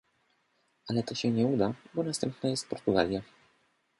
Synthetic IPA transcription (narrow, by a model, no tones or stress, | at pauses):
alɛt̪ɔɕɛɲɛud̪abɔnast̪ɛmpnajɛst̪̚pɔɾt̪uɡa̰lʲja